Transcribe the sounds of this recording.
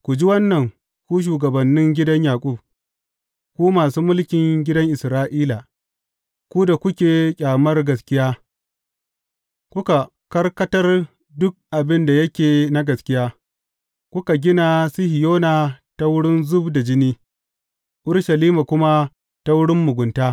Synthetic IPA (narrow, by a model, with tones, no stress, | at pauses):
kʷu˨d͡ʒi˦wɐ˦nːɐ˨ŋ | kʷu˦ʃ̬uː˨ɡɐ˨bɐ˨nːɪ˦ŋɡʲɪ˦dɐ˦ɲjaː˨kʷʼʊ˦˨b̚ | kʷuː˦maː˨suː˦mʊ˦lkʲɪ˨ŋɡʲɪ˦dɐ˦ŋʔɪ˨sɾaː˦ʔiː˦la˨ | kʷu˦da˨kʷʊ˦kʲeː˨kʲʼaː˨mɐ˦rɡɐ˨skʲɪ˦jaː˦ | kʷʊ˦ka˨ | kɐ˦rkɐ˦tɐ˦r | dʊ˦k̚ʔa˨bɪ˦nda˨jɐ˦kʲeː˨na˦ɡɐ˨skʲɪ˦jaː˦ | kʷʊ˦ka˨ɡʲɪ˦na˨sɪ˦hɪ˨joː˦naː˨ta˦wʊ˦ɽɪ˦nzʊ˦bda˨d͡ʒɪ˦niː˦ | ʔʊ˦ɽʃɐ˨liː˦ma˨kʷʊ˦ma˦ | ta˦wʊ˦ɽɪ˦mːʊ˨ɡʷʊ˨ntaː˦